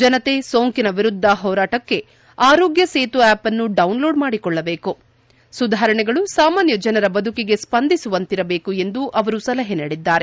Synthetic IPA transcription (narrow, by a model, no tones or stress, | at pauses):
d͡ʒɐnɐt̪e̞soːŋkinɐʋiɾud̪ʱːɐɦɔːɾaːʈɐkːe̞ | aːɾoːɡjɐseːt̪uæːpɐnːuɖɐwnlo̞ːɖmaːɽikɔɭːɐbe̞ːku | sud̪ʱaːɾɐɳɛɡɐɭusaːmaːnjɐd͡ʒɐnɐɾɐbɐd̪ʱukiɡe̞spɐnd̪ʱisuʋɐnt̪iɾɐbe̞ːkue̞nd̪uʔɐʋɐɾusɐlɐɦeniːɽid̪ːaːɾe̞